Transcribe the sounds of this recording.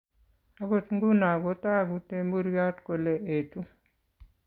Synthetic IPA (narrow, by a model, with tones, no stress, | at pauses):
a˦ɡo˦tŋɡu˦na˨ɡo˨˦ta˦˨ɡu˨te˦mbu˦ɾja˦tko˨le˨ʔe˨tu˦